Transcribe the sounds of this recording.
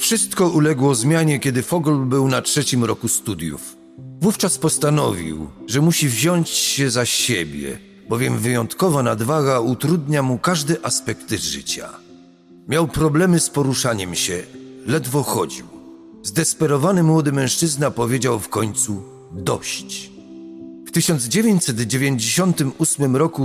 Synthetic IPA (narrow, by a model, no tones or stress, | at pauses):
fʂɘst̪kɔulɛɡwɔzmʲjaɲɛkʲɛd̪ɘfɔɡɔlbɘwnatʂɛt͡ɕimɾɔkust̪ud̪jṵf | vuft͡ʂaspɔst̪anɔvʲḭwʐɛmuɕivʑɔɲt͡ɕɕɛzaɕɕɛbʲjɛ̰ | bɔvʲjɛmvɘjɔnt̪kɔvanad̪vaɡaut̪ɾud̪ɲamukaʐd̪ɛʔaspɛkt̪ʐɘ̰t͡ɕa̰ | mʲjawpɾɔblɛmɘspɔɾuʂaɲɛmɕɛlɛd̪vɔxɔd͡ʑḭw | zd̪ɛspɛɾɔvanɘmwɔd̪ɘmɛ̃ʂt͡ʂɘznapɔvʲjed͡ʑawfkɔɲt̪su | d̪ɔ̰ɕt͡ɕ | ft̪ɘɕɔnd̪zd͡ʑevʲjeɲt͡ɕʲsɛd̪d͡ʑevʲjeɲd͡ʑeɕɔnt̪ɘmusmɘmɾɔku